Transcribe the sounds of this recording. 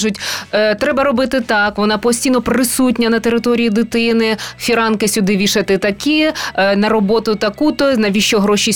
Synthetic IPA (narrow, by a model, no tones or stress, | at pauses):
ʒʊtʲt̪ɾɛbɐɾɔbɪt̪ɪt̪ɑkʋɔnɑpɔsʲtʲijnɔpɾɪsut̬ʲnʲɐnɐt̪eɾɪt̪ɔɾʲijid̪ɪt̪ɪnɪfʲiɾɑnkɪsʲʊd̪ɪʋʲiʃɐt̪ɪt̪ɐkinɐɾɔbɔt̪ʊt̪ɐkut̪ɔnɐʋʲiʃt͡ʃɔɦɾɔʃʲi